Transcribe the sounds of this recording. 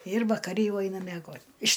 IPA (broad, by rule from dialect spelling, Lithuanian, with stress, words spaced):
ɪr ʋɐkɐˈrʲɪ ˈjɛʊ ˈɐɪnɐ mʲiɛˈɡoːtʲ ɪʃ